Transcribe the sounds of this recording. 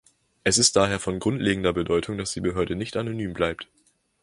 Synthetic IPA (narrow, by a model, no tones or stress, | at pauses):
ʔɛsɪst̚d̥aːɦeːɐfɔnɡʁʊntlʔeːɡŋ̩dɐbədɔʏtʰʊŋd̥asd̥iːbəɦøːɐdənɪçtʔanonyːmblaɪp̚t